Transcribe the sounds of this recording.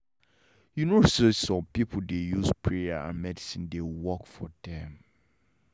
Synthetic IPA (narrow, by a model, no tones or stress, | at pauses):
junososɔ̃mpipʰʊdejuspʰɹeaã̰nmɛdisĩndewwɔkfɔdɛ̃m